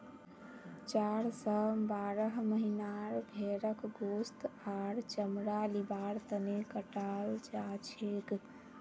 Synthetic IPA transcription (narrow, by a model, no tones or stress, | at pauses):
t͡ʃaɾsɔbaɾəɦməɦinaɾbʱeɾəkɡost̪aɾt͡ʃəmɾalibaɾt̪ənekəʈald͡ʒat͡ʃʰek